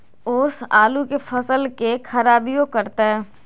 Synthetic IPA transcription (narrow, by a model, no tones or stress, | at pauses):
ʊsaːlukefɐsəlkexʰɐɾaːbijokɐɾt̪aɦɛː